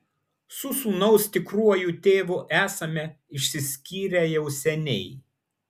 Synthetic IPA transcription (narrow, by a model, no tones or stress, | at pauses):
sʊsuːnɐʊsʲt̪ʲɪkɾuɔjuːt̪ʲeːʋʊʔæːsɐmʲɛ | ɪʃʲsʲɪsʲkʲiːɾʲɛjɛʊsʲɛnʲɛɪ